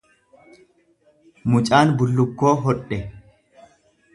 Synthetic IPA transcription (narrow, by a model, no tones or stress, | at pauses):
mʊt͡ʃʼaːnbʊlːʊkːo̞ːɦɔᶑːɛ